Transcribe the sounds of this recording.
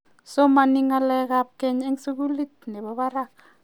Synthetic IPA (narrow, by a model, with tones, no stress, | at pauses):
sɔ˦ma˨ni˦ŋa˦lɛ˦ka˦p̚kɛ˦ɲe˦ŋsu˦k̬u˦li˦t̪̚nɛ˨ɓɔ˦βa˦ɾa˦˨ka